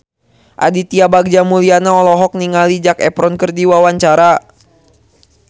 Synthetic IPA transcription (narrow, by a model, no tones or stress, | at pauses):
ʔa̰dit̪iabaɡ̚d͡ʒamulianaɔlɔɦɔk̚niŋalid͡ʒakɛpɾɔnkərdiwawaɲt͡ʃaɾa